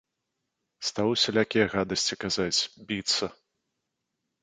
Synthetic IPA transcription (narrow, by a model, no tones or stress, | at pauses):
st̪awusʲɐlʲakʲijɐɣad̪ɐsʲt͡sʲikazat͡sʲbʲit̪sɐ